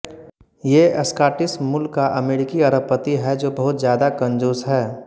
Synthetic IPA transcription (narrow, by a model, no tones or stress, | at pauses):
jeːəskaːʈɪsmʊlkaʔɐmeːɾɪkiɐɾəpət̪iɦɛd͡ʒoːbɐɦʊt̪zjaːd̪akə̃nd͡ʒoːsɦɛː